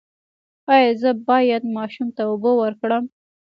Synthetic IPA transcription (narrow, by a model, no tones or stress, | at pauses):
ɑjɑzəbɑjad̪mɑʃumt̪aʊbowəɾkɽəm